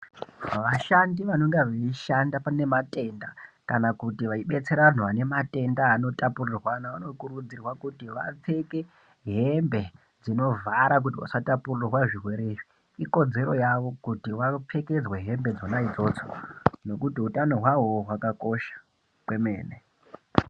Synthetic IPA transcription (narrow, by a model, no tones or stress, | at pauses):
ʋaʃandiʋano̞ŋɡeʋeiʃandapane̞matʼe̞nda | kanakutiʋaiɓe̞t͡se̞ɾaʋan̤uʋane̞matʼe̞ndaːno̞tapurirwanaʋano̞kuɾud͡zirwakutiʋa̰p͡fe̞ke̞ | ɦembe̞ | d͡zino̞vʱaɾak̬utiʋa̰satapurirwaʐirwe̞ɾe̞ːʐi | iko̞d͡ze̞ɾo̞jaʋo̞kutiʋap͡fʰe̞ke̞d͡zweɦe̞mbe̞d͡zo̞naid͡zo̞ːt͡sono̞kutiutano̞ɦwawoɦwakako̞ʃḁ | kwe̞me̞ːne